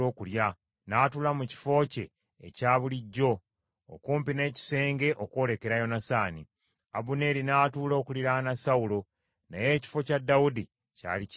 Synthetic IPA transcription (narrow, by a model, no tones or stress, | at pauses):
o̞ːkulja | naːtulamuci̥fo̞ːce̞̰ː | caːβuliɟːo̞̰ː | kuːmpine̞ːci̥se̞ːŋɡe̞ʔoko̞ːle̞ke̞ɾajo̞nasaːni | abune̞ɾinatuːlo̞ːkuliɾanasawulo̞ | naje̞ːci̥fo̞cadːawudi | ca̰ːli